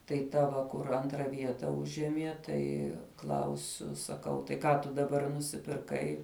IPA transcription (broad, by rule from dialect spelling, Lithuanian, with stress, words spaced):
tɐɪ ˈtɐ ʋɐ ˈkʊr ˈɐntrɐ ˈʋʲiɛtɐ ˈʊʒʲiɛmʲiɛ ˈtɐɪ ˈklˠɐʊsʲʊ sɐˈkɐʊ tɐɪ ˈkɑː tʊ dɐˈbɐr nʊsʲɪpʲɪrˈkɐɪ